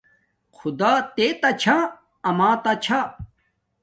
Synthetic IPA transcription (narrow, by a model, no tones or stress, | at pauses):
xʰud̪aːt̪et̪ɐt͡ɕʰã | ɐmãːt̪ɐt͡ɕʰa